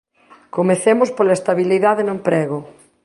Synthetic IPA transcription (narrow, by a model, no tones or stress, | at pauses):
komeθemʊspolaest̪aβiliðaðenʊempɾeɣo